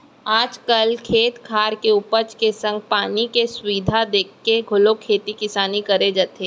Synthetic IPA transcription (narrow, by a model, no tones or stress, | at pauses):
aːd͡ʒkəlkʰeːt̪kʰaːɾkeʊpət͡ʃkesɐ̃ŋɡ̚paːnikesʊiːd̪ʱad̪eːkʰːeɡʱʊlokʰeːt̪ikɪsaːnikɐɾed͡ʒaːt̪eː